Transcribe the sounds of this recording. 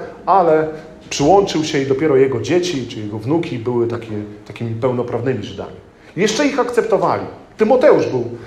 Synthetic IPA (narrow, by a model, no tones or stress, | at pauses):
alɛ | pʂɘwɔnt͡ʂɘwɕɛid̪ɔpʲjɛɾɔjɛɡɔd͡ʑet͡ɕit͡ʂɘjɛɡɔvnukʲibɘwɘt̪akʲɛt̪akʲimʲipɛwnɔpɾavnɘmʲiʐɘd̪a̰mʲi | jɛʂt͡ʂɛixakt̪sɛpt̪ɔva̰lʲḭt̪ɘmɔt̪ɛuʐbɘw